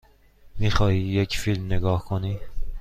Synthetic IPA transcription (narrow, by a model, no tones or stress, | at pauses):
miːxɒːhiːjecfilmneɡɒːhkʰoniː